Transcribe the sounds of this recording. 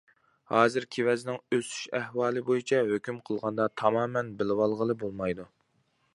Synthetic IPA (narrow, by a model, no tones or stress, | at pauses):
hɑːzɨɾkʲʰewɛzɪnɪŋøsy̥ʃɛhwɑːlˠɨbojit͡ʃʰɛɦøkʲymqʰəlˠʁɑnd̪ɑt̪ʰɑmɑːmɛnbɪlɪwɑlˠʁəlˠɨbolˠmɑjd̪u